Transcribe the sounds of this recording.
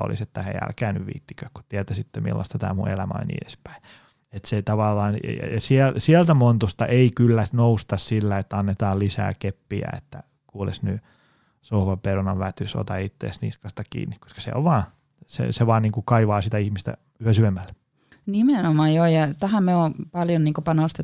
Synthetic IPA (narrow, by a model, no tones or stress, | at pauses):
o̰lḭset̪ːæhḛiæ̰lkæːny̰ʋʋḭːt̪ːi̥køkku̥t̪iɛt̪æsit̪ːemḭlːɑ̰st̪ɑt̪æ̰ːmṵḛlæmæ̰o̰nʲḭːdespæ̥i | et̪seit̪ɑʋɑlːɑːnjɑ̰jɑsiælsiælt̪æmont̪ust̪ɑʔeikylːænoust̪ɑssilːæet̪ːæɑnːet̪ɑːllisæ̰ːkepːiæ̰ḛt̪ːæ | kuːlḛsny | sohʋɑperunɑʋʋæt̪yso̰t̪ɑit̪ːḛːsnḭːskɑst̪ɑkḭːnːikko̥skɑ̥sḛo̰ʋʋɑː | sḛseʋɑːnniːŋkukɑiʋɑːsit̪æihmist̪æ̰ | yøsyʋemːælːe | nimenomɑːjjoːjɑt̪æhæmmeoːpɑljonniːŋkopɑnost̪e